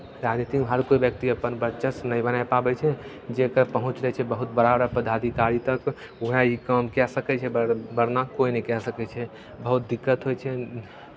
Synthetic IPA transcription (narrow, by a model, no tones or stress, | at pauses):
ɾad͡ʒnit̪ikmɦəɾkoibjək̚t̪iəpənbəʃəsnəibənaepabɛt͡ʃʰɛ | d͡ʒekəɾpəɦũt͡ʃɾɛt͡ʃʰɛbəɦut̪̚bəɾabəɾəɾpəd̪ʱad̪ikaɾit̪ək | uɦaikəmkɛsəkɛt͡ʃʰɛbəbəɾnakoinəikɛsəkɛt͡ʃʰɛ | bəɦut̪̚d̪ikːət̪ɦojt͡ʃʰɛ